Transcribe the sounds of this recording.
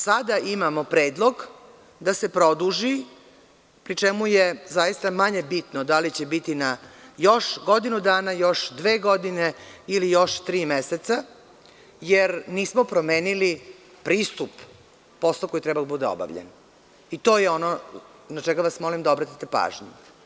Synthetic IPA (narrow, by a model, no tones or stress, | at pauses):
sad̪aʔimamopɾe̞ːd̪lˠoɡ | d̪ase̞pɾo̞d̪uʒi | pɾit͡ʃemujezajist̪amaɲe̞bit̪nod̪alit͡ɕebit̪inajoʃɡo̞d̪inud̪aːnajo̞ʃd̪ʋe̞ːɡo̞d̪ineilijo̞ʃt̪ɾiːmeset̪sa | jeɾniːsmopɾomeːnili | pɾiːst̪upː | o̞slˠoko̞jit̪ɾɛbad̪bud̪eo̰ba̰ʋʎḛn | it̪o̞ːjeo̞no | nat͡ʃɛɡaʋasmo̞limd̪aobɾat̪it̪epa̰ːʒɲu